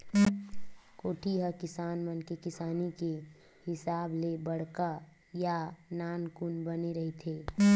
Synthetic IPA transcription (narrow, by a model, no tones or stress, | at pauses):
koːʈʰiɦəkɪsaːnmənkekɪsaːnike | hɪsaːblebəɽ̤ka | janaːnkʊnbəneɾɐɦit̪ʰeː